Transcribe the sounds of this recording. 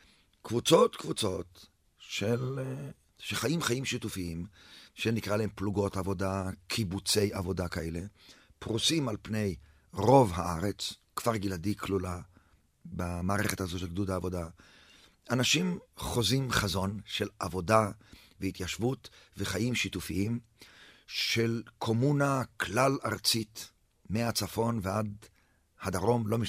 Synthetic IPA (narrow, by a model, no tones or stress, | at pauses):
kvut͡so̞tkvut͡so̞t | ʃel | ʃeχajimχajimʃitufiimʃenikʁalahempluɡo̞tavo̞dakʰibut͡se̞javo̞dakaele̞pʁusimalpne̞j | ʁo̞vɦaaʁet͡skv̥aʁɡiladikʰlula | bamaːʁeχethazoʃelɡdudaːvo̞da | anaʃimχo̞zimχazo̞nʃelavo̞davehit̪jaʃvutveχajimʃitufiim | ʃelkʰo̞munakʰlalaʁt͡sit | meat͡safo̞nvead̪ | had̪aʁo̞mlo̞miʃ